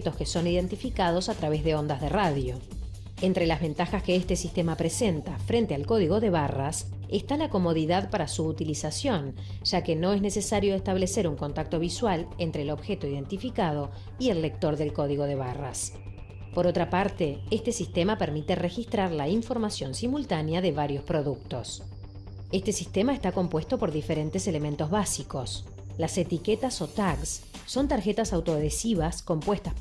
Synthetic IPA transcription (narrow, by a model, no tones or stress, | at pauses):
t̪o̞skeso̞niðe̞nt̪ifikaðo̞sat̪ɾaβezðeo̞nd̪azðeraðjo̞ | ent̪ɾe̞lazβe̞nt̪axaskeest̪e̞sist̪e̞mapɾese̞nt̪afɾe̞nt̪ealko̞ðiɣo̞ðeβaras | est̪alako̞mo̞ðiðaðpaɾasuːt̪ilisasjo̞n | ʒ̥ake̞no̞e̞znese̞saɾjo̞est̪aβ̞le̞seɾuŋko̞nt̪ak̚t̪o̞βiswalent̪ɾeːlo̞βxe̞t̪oiðe̞nt̪ifikað̞o̞ | ielːe̞k̚t̪o̞ɾðe̞lko̞ðiɣo̞ðeβara̰s | po̞ɾot̪ɾapaɾt̪eest̪esist̪emapeɾmit̪erexist̪ɾaɾlaiɱfo̞ɾmasjo̞nsimult̪anjaðeβaɾjo̞spɾo̞ðuk̚t̪o̞̰s | est̪e̞sist̪emaest̪ako̞mpwe̞st̪o̞po̞ɾðifeɾe̞nt̪esele̞mẽnt̪ozβasiko̞s | laset̪iket̪aso̞t̪aksː | o̞nt̪aɾxet̪asawt̪oðesiβasko̞mpwest̪a